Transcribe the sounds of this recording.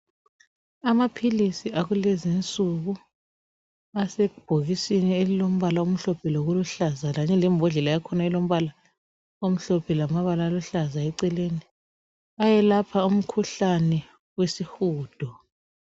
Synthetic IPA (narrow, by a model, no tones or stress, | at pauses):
amapʰilisiaɣulɛzint͡sʼuɣu | asɛub̥ʱoɣisinielilom̩βalaum̩ɬɔpʰɛloɣuluɬazaɣaɲɛlɛmbʱɔɮɛlajakʰɔnailom̩βala | om̩ɬɔpʰɛlamaβalaːluɬazaɛǀɛleːni | ajɛlapʰaum̩kʰuɬanɛ | wesixuːd̥ʱɔ